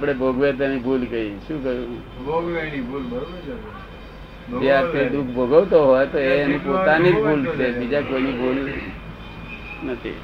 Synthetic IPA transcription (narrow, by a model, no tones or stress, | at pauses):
apɽ̃ebʱoɡʋet̪̬enibʱulɡəiʃũːkəɾũ | ɡ | d͡ʒeaped̪ukʰbʱoɡəʋt̪oɦɔjt̪oeenipot̪anibʱult̪ʰemid͡ʒakoinibʱul | nət̪ʰḭ